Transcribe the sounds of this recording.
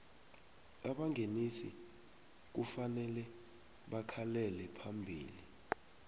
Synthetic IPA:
aɓaŋʱenisḭ | k̬ufanɛlɛ | ɓakʰalɛlɛpʰambʱiːli

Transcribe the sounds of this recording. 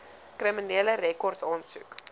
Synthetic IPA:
kriminiələrɛkɔrtʰɑːnsṵk

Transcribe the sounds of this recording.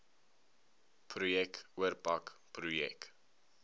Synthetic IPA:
pʰrujɛkuərpakprujɛ̰k

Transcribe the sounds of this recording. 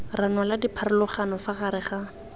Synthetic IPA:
ranwaladipʰaɾʊlʊχanɔfaχaɾɪχa

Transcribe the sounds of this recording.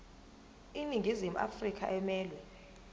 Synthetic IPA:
iniŋɡʱizimuʔa̰frikʼʰa̰ʔɛmɛːlwɛ

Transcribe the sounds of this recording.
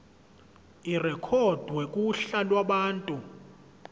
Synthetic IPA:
irɛkʰɔd̥ʱwekʼuɬalwaɓaːntʼu

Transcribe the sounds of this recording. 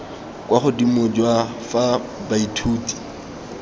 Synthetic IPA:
kʼwaχʊdimʊd͡ʒwafabaitʰuːti̥

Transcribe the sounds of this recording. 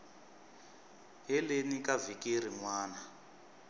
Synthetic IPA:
ɦɛlenikavikiɾ̤iŋwaːna

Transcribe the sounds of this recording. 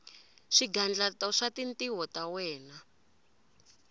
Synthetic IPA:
ʂiɡand͡ɮatɔʂatintiwɔtawɛːna

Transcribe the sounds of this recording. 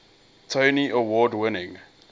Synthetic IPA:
tʰoniʔəwɔːdwɪnɪ̃ŋ

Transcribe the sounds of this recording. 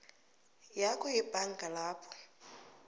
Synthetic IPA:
jakʰʊɪbʼaŋ̩kʼalaːpʰɔ̥

